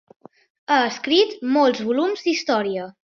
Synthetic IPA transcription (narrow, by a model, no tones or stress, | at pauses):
aəskɾit̪molˠzβulumzd̪ist̪ɔɾiə